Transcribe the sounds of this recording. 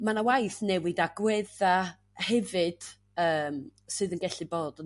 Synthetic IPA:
manawajθnɛwɨdaɡwɛða | hɛvɨd̥ | əːmsɨðənɡɛɬɨboːd

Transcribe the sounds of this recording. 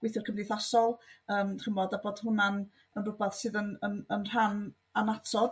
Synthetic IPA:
ɡwɪθɪrkʰəmndɪθasɔlˠəːmrəmɔdaboːd̥hʊnan | ənrʊbaθsɨːðənənənr̥an | anatʰɔd̥

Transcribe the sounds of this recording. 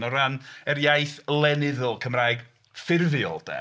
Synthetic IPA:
nɔɾanɛɾjajθlˠɛnɪðʊlˠkʰəmrajɡ | fɪrvjɔ̰lˠd̥ɛ̰

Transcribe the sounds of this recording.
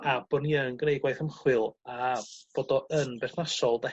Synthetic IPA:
ab̥ɔniənɡnejɡwajθəmχwɨlˠab̥oːdɔʔənbɛθnasɔlˠdɛ

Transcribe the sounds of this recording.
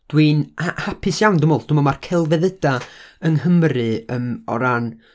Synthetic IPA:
d̥winahapʰɨsjawndəmɔlˠd̥ʊmɔmarkʰɛlˠvɛðədaəŋhəmrɨəmɔ̰ɾan

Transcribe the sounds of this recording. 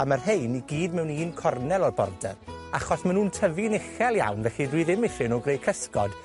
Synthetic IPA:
amarɦejniɡiːdmɛwniːnkʰɔrnɛlˠɔrbɔ̰rdɛ̰raχɔsmanuːntʰəvinɪχɛlˠja̰wnvɛɬidwiðɪmɪθɪnɔɡrejkʰəskɔd̥

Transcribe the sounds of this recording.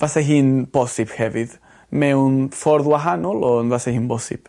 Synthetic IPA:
vasɛɦɨːnb̥ɔsɪb̥hɛvɨð | mɛwnfɔɾðwaɦanɔlˠɔnvasɛhɨːnbɔsɪ̰b̥

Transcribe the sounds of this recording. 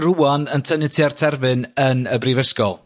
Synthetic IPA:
ruːanəntʰənɪtʰiartʰɛrvɨnənəbrivəskɔlˠ

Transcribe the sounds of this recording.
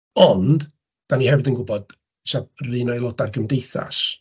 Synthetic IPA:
ɔnd̥ | d̥anihɛvɪdənɡʊbɔd̥ | ʃab̚rɨːnɔjlˠɔdarɡəmdejθa̰ʃ

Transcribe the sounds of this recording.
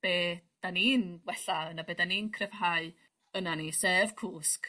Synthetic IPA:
b̥eːd̥aniːnwɛɬaənabeːdaniːnkʰrɛvɦaɨ | ənanisev̥kʰuːsk

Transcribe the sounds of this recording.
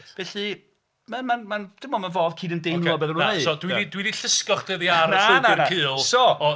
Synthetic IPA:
vɛɬɨ | mamanmand̥ɪmɔmanvoːðkʰiːdəndɪmlˠɔbɛːðənunaneðsɔdwiidwiðiɬɪskɔχd̥eðiaɾaenaɪrakʰɨːlˠsɔɔ

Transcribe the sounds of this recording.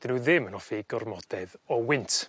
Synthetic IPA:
d̥ɪnuðɪmənɔfiɡɔrmɔd̥ɛðɔwɪntʰ

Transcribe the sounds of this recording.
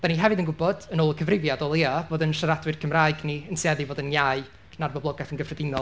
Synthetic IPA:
d̥aniɦɛvɨðənɡʊbɔd̥ənoːlˠəkʰəvrɪvjadɔlˠiavoːdənʃəɾadwɨrkʰəmraːɨɡniənsɛðivoːdənjaɨ | narbɔblˠɔɡɛθənɡəfrɛdɪnɔ

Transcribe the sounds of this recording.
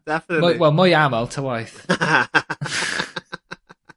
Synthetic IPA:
d̥ɛfmɔwɛlˠmɔjamɛlˠtʰəwajθ

